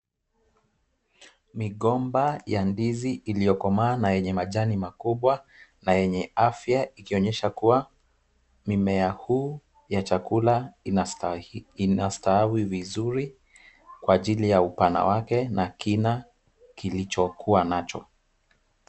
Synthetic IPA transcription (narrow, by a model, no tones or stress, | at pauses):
miɠɔmbajandiziʔːlijɔkɔmaːnajɛɲɛmaʄanimakuɓwanajɛɲɛafjaikiɔɲɛʃakuwa | mimɛahuː | jat͡ʃakula | nastaawivizuɾi | kwaːʄilijaupana̰wakɛnakina | kilit͡ʃɔkuwanat͡ʃɔ